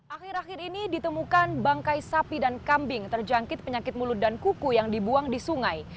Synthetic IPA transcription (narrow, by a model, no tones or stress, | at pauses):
ʔaxɪɾaxɪrinidit̪əmukanbaŋkajsapidankambɪŋt̪ərd͡ʒaŋkɪt̪̚pəɲakɪt̪̚mulut̪̚dankukujaŋdibuaŋdisuŋaj